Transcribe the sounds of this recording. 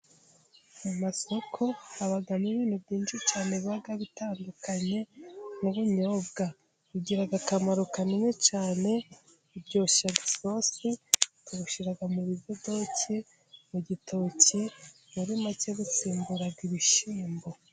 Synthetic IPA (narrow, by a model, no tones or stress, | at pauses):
mumaso̞kʰo̞aβaɡamɲiβiːn̥hubɟiːnʃit͡ʃaːne̞βiβaɡaβitaːndukaɲe̞nuβuɲo̞ːbɡa | uɟiɾaɡakamaɾukanimŋe̞t͡ʃaːne̞ | ubɟo̞ːʃaɡiso̞ːsituβuʃiɾaɡamuβiβjodo̞ci | muɟitʰoci | muɾimaceβut͡siːmbuɾaɡiβiʃiːmbo